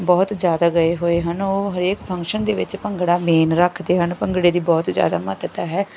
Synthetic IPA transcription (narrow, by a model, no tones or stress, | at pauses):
bɔːt̪zjaːd̪aːɡəeɦoːeːɦənoːɦəɾeːkpʰə̃ŋkʃənd̪eːʋɪ̰t͡ʃpəŋɡɽaːmeːnɾəkʰd̪eːɦənpə̃ŋɡɽeːd̪iːbɔːt̪zja̰ːd̪a̰ːmət̪t̪aːɦɛː